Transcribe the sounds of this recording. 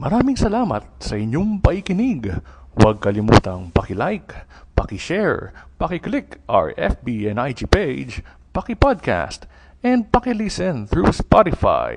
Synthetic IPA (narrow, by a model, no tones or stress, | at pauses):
mɐɾaːmɪŋsɐlaːmɐ̰t̪̚sɐʔɪɲoŋpɐhikɪniɡwɐɡ̚kɐlɪmuːt̪ɐŋpɐkɪlajk | pɐkɪʃɛɹpɐkɪklɪkʔa̰ɹɛ̰fbiɛnajd͡ʒiːpejd͡ʒ | pɐkɪpad̪̚kʰa̰st̪ | ɛnd̪̚pɐkɪlisɛnθɹuspat̪ɪfa̰j